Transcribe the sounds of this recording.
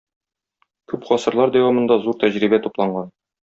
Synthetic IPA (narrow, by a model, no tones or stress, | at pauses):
kʉpχɒsɤ̆ɾlˠɑɾd̪æwɑmɤ̆nd̪ɑzuɾt̪æʑɾibæt̪uplˠɑɴɢɑn